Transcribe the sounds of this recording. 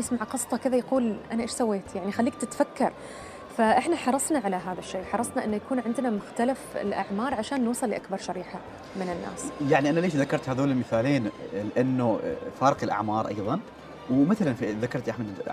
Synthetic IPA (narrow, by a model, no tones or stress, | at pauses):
ɪsmaʕqɑsˤt̪ˤɑkɪðajaquːlʔanaʔeːʃsawːeːt̪jaʕnixalːiːk̚t̪ɪt̪fakːɑɾˤ | faʔɪħnaħɑɾˤɑsˤnaʕalaɦaːðaʃːeːħɑɾˤɑsˤnaʔɪnːʊjakuːnʕɪnd̪namʊxt̪alafɪ̰lʔa̰ʕmɑːɾˤʕaʃaːnːɑsˤɑlːɪʔakbɑɾˤʃaɾiːħa | mɪnɪnːa̰ːsjaʕniʔanaleːʃðakːɑɾˤt̪haːðoːnɪlmɪθaːleːnlɪʔanːʊfaːɾˤqɪlʔa̰ʕmɑːɾˤʔɑ̰jðˤɑn | wmɪθalanfiðakɑɾˤt̪ʔaħmad̪